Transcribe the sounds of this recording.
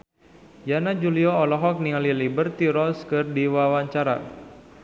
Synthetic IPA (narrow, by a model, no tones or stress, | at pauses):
janad͡ʒuliɔɔlɔɦɔk̚nialilibərt̪iɾɔskɨrdiwawaɲt͡ʃaɾa̰